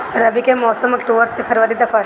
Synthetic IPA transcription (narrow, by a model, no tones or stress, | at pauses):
ɐɾɐbikemɔːsəmɐkʈoːʋəɾsefʰɐɾʋəɾid̪ɐkʰʋaɾ